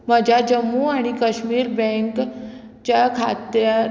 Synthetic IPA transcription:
məd͡ʑʱjad͡ʑəmːuaɽ̃ikəɕmiːɾbɛ̃ŋk | t͡ɕakʰat̪ja

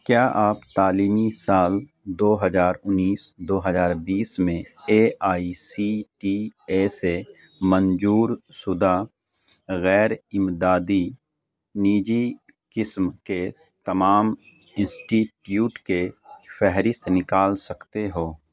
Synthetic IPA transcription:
kjaːʔaːpt̪aːliːmisaːl | d̪oːɦəzaːɾʊnːiːsd̪oːɦəzaːɾbiːsmẽeːaːisiʈieːse | mə̃nd͡ʒuːɾsʊd̪a | ɣɛːɾɪmd̪aːd̪i | niːd͡ʒi | kɪsmke | t̪ɐmaːm | ɪ̃nsʈiːʈjuːʈkefɛɦɾɪst̪nɪkaːlsɐkt̪eɦoː

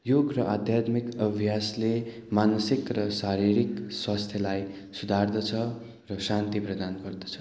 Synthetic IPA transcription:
joɡrʌʔad̪ʱjat̪mikʌbʱjasle | manʌsikrʌsaɾiɾikswast̪ʰjʌlaj | sud̪ʱard̪ʌt͡sʰʌ | rʌsant̪iprʌd̪anɡʌrd̪ʌ̥t͡sʰʌ̥

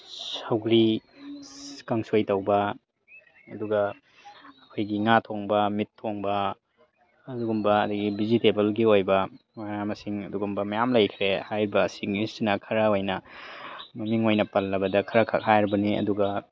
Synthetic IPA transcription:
sɐwɡɾi | kɐŋsojtɐwbɐ | ɐduɡɐː | kʰojɡiŋatʰoŋbɐmitʰːoŋbɐ | duɡumbɐɐdɐɡibizitebɐlɡiojbɐ | mɐjamɐsiŋɐduɡumbɐmɐjamlɐjkʰɾehajɾibɐːsinistinɐkʰɐɾɐojnɐ | mɐmiŋojnɐpɐlːɐbɐdɐkʰɐɾɐkʰɐ̰khajɾibɐniɐ̰duɡɐ

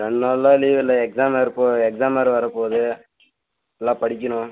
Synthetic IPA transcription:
ɾɛɳːalːãːliːʋɪlːɐɛksaːmɐɾpoːɛksaːmɐɾʋɐɾɐpoːðɯ | ɛlːãːpɐɽɪkʲːɐnʊ̃

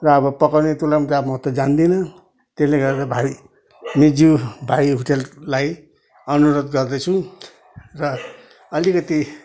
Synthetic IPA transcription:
rʌːbʌpʌkawnet̪ulamut̪amʌɦʌt̪ːʌd͡zand̪inʌ | t̪eleɡʌɾd̪abʱai | mid͡zubʱaiɦoʈelːaj | ʌnuɾod̪ɡʌrd̪ʌt͡sʰũ | rʌ | ʌlikʌt̪i

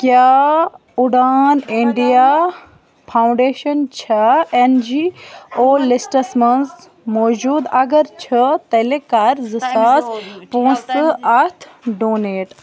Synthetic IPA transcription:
kjaː | ʊɽaːniɳɖijaː | pʰaːʊ̃ɳɖeːʃɐnt͡ʃʰɐend͡ʒiːoːlisʈɐsmɐnz | moːd͡ʒuːd̪ɐɡɐɾt͡ʃʰɐt̪ɐlekaɾzɨsaːspõːsɨɐt̪ʰɖoːneːʈ

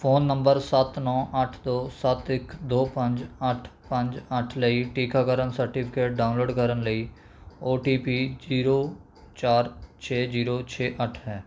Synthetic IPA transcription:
pʰoːnːə̃mbəɾsət̪nɔ̃ːʔəʈʰd̪oːsət̪ɪkd̪oːpə̃ɲd͡ʒəʈʰpə̃ɲd͡ʒəʈʰləiʈiːkaːkəɾənsəɾʈɪpʰɪkeːʈ̚ɖaːʊnloːɖkəɾənləi | oːʈiːpiːd͡ʒiːɾoː | t͡ʃaːɾt͡ʃʰeːd͡ʒiːɾoːt͡ʃʰeːʔəʈʰɦɛː

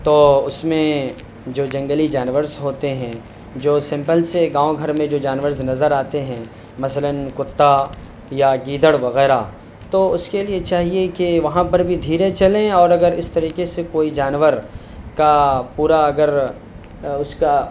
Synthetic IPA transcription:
t̪oːʊsmẽ | d͡ʒoːd͡ʒɐ̃ŋɡəlid͡ʒaːnʋəɾzɦoːt̪eɦɛ̃ | d͡ʒoːsɪ̃mpəlseɡãːõɡʱɐɾmẽd͡ʒoːd͡ʒaːnʋəɾznɐzəɾaːt̪eɦɛ̃ː | mɐsələnkʊt̪ːa | jaɡiːd̪əɽʋɐɣɛːɾa | t̪oʊskeliet͡ʃaːɦiekeʋɐɦãpɐɾbʱid̪ʱiːɾet͡ʃɐlẽɔːɾɐɡəɾɪst̪ɐɾiːkesekoːid͡ʒaːnʋəɾ | kapuːɾaɐɡəɾ | ʊska

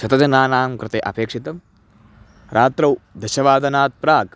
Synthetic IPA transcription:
sɐt̪ɐd͡ʒɐnaːnaːmkɾɨt̪eːʔɐ̰peːkʂit̪ɐm | ɾʔaːt̪ɾɐwd̪ɐʃɐʋaːd̪ɐnaːt̪̚pɾaːɡ

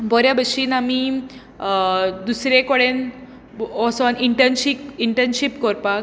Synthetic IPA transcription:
bɔɾjabəɕiːnami | d̪usɾekɔɽen | ɔsɔniɳʈənɕikiɳʈənɕipkɔɾpak

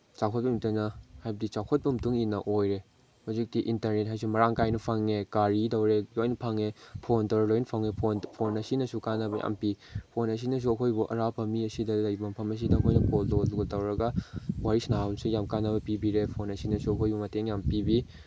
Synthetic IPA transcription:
t͡ʃakʰɔt̚bɐmtɐnɐhajbɐdit͡ʃakʰot̚bɐmtuŋinɐ̰ʔojɾe | hozik̚tiʔintɐɾnet̚ɦajs̬umɐɾaŋkajnupʰaŋekaɾitowɾelojnpʰaŋepʰontɔwɾelojnpʰaŋepʰonpʰonɐsinɐsukanːɐbɐja̰mpipʰonɐs̬inɐs̬uɐkʰojbuʔɐ̰ɾapɐmiɐsidɐlajbɐmpʰɐmɐs̬idɐːkʰojnɐkollosuɡtɐwɾɐɡɐwaɾisnamsujamkanːɐbɐpibiɾepʰonɐsinɐsuɐkʰojbumɐteŋjampibi

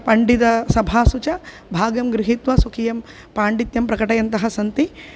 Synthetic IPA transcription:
pɐɳɖid̪ɐsɐbʱaːsut͡ʃɐ | bʱaːɡɐmɡɾɪɦit̪ʋɐsukʰijɐm | paːɳɖit̪jɐmpɾɐkɐʈɐjɐnt̪ɐɦɐsɐnt̪i

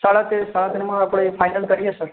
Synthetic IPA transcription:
saɭat̪esaɭat̪eɾmãːpɽ̃epʰajnəlkəɾiesəɾ

